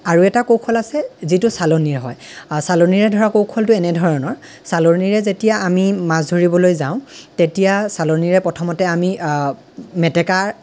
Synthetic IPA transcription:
aɹuɛtakowkʰɔlasɛzitʊsaloniɹɦɔjsaloniɹɛdʱɔɹakowkʰɔltʊɛnɛdʱɔɹɔnɔɹ | saloniɹɛzetijaamimazdʱoɹibɔlojzãʊ̃tetijasaloniɹɛpɹɔtʰɔmɔtɛami | mɛtɛkaɹ

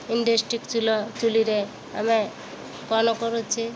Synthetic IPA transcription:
iɳɖesʈɾikt͡ʃʰulot͡ʃuliɾe | a̰me | kɔnokɔɾot͡ʃʰi

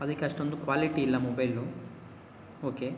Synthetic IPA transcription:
ɐd̪ɐkːeɐʂʈo̞nd̪ukʋaːliʈiːlːɐmobɐjlu | oːke

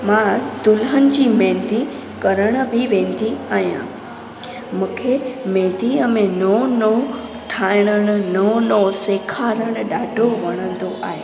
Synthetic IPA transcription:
mãd̪ʊlɦənɪ̆d͡ʑiːmɛ̃ːnd̪i | kɐɾəɽ̃ə̆bʱɪʋẽːnd̪iaːɦijã̰ | mũːkʰemẽːd̪iəmẽnono | ʈʰaːɪɽ̃əɽ̃ʊ̆nɐnoseːkʰaːɾəɽ̃ʊɗaːɖʱoʋɐɽ̃ə̃nd̪oʔa̰ːɦeː

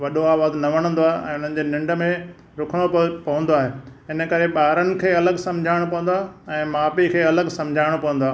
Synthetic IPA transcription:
ʋɐɗoaːʋaːznɐʋɐɽ̃ə̃nd̪oaːʔɛ̰̃ːʊn̤ənɪ̆d͡ʑeːnɪ̃ɳɖə̆mẽ | ɾʊkʰəɽ̃opɐʋə̃nd̪oaːɦeːɪnəkɐɾeɓaːɾənɪ̆kʰeːɐləɡsɐ̃md͡ʑʱaːɪɽ̃pɐʋə̃nd̪oaːɛ̃ːmaːpikʰeːɐləɡsɐ̃md͡ʑʱaːɪɽ̃pɐʋə̃nd̪oaː

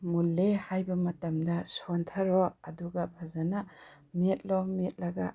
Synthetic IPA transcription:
mulːehajbɐmɐtɐmdɐsontʰɐɾɔɐduɡɐbʰazana | met̚lɔmet̚lɐɡa̰

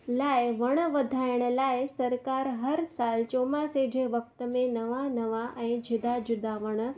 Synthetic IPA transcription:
laːɪʋəɽ̃əʋɐd̪ʱaːɪəɽ̃əlaːɪsɐɾkaːɾɦɐɾsaːlt͡ɕoːmaseɖʱeʋɐk̚t̪əmẽnɐʋanɐʋaʔɛ̃ːd͡ʑʱɪd̪ad͡ʑʊd̪aʋəɽ̃ə

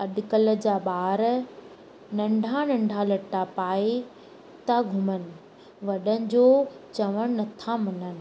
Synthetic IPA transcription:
ɐɗkələ̆d͡ʑaːɓaːɾ | nɐ̃ɳɖʱanɐ̃ɳɖʱalɐʈːapaːe | t̪aɡʱʊmənɪ̆ | ʋɐɗənɪ̆d͡ʑoːt͡ɕɐʋəɽ̃nɐt̪ʰamɐnənɪ̆

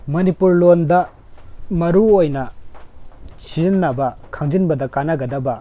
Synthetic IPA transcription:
mɐnipuɾlondɐ | mɐɾuojnɐ | t͡ʃinːabɐkʰaŋd͡ʒinbɐdɐkanaɡɐdaba

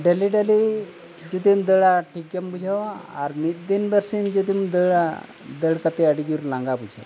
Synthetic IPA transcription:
ɖeliɖeli | d͡ʑud̪imd̪əɭaʈik̚ɡambud͡ʑʱaʋaa̰ɾmit̪̚d̪inbəɾsimd͡ʒud̪imd̪əɭa | d̪əɽkat̪eəɽiɡiɾlãŋɡabud͡ʑʱa̰

